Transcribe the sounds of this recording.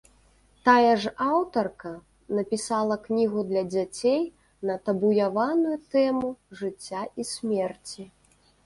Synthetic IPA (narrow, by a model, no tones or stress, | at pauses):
t̪ajɛʐawt̪ɐrkɐ | nɐpʲisalˠɐknʲiɣud̪lʲɐd͡zʲat͡sʲej | nɐt̪ɐbujavanujut̪ɛmuʐɨt͡sʲːaʔisʲmʲɛrt͡sʲi